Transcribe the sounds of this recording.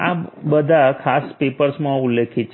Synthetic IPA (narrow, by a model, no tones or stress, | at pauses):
a̰bəd̪ʱakʰaspepəɾsmãʊlːekʰit̪t͡ʃʰ